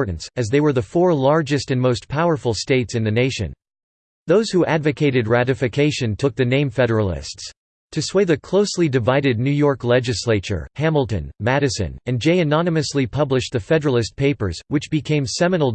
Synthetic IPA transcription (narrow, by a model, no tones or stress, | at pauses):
ɹʔn̩sɨzðeɪwə˞ðɨfɔɹlɑɹd͡ʒɨstɨ̃nmoʊspʰaʊə˞fl̩ˠsteɪtsɨ̃nðɨneɪʃɨ̰̃n | ðoʊz̥huʔædvɨkʰeɪɾɨd̚ɹæɾɨfɨkʰeɪʃɨ̃ntʰʊk̚ðɨnẽɪ̃ɱfɛɾə˞l̩ˠɪ̰sts | tʰɨsweɪðɨkʰl̥oʊslidɨvaɪɾɨdⁿnʉjɔɹklɛd͡ʒɨsleɪt͡ʃə̰˞hæ̃ml̩ˠtɨ̃nmæɾɨsɨ̰̃nɨ̃nd͡ʒeɪɨnɑnɨmɨslipʰʌblɨʃ̚ðɨfɛɾə˞l̩ˠɨs̚pʰeɪpə̰˞z̥wɨt͡ʃb̥ɨkʰẽɪ̃msɛmɨnl̩ˠ